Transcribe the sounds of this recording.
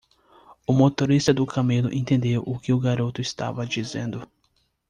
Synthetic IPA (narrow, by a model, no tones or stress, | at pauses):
ʊmot̪oɾist̪ɐd̪ʊkamelʊʔẽt̪ẽnd̪ewʔʊkɪʊɡaɾot̪ʊɪst̪a̰vɐd͡ʒizḛ̃nd̪ʊ